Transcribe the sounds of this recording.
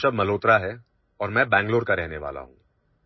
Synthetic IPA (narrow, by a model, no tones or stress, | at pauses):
ʃɐbmɐloːt̪ɾaɦɛ | ɔːɾmɛ̃ːbɛ̃ːŋɡloːɾkaɾɛɦneʋa̰ːla̰ɦṵ̃ːɡ